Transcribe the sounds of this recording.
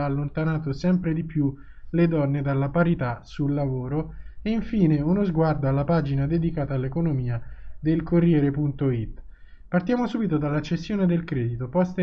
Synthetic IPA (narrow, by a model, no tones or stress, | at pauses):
lːont̪anaːt̪osɛmpɾed̪ipju | led̪ɔnːed̪alːapaɾit̪asulːavoːɾoeiɱfiːneunozɡward̪oalːapaːd͡ʒinad̪ed̪ikaːt̪aːlːekonomiːad̪elkorːjɛːɾepunt̪oit̪ː | part̪jaːmosuːbit̪od̪alːat͡ʃːesjoːned̪elkɾɛːd̪it̪opɔst̪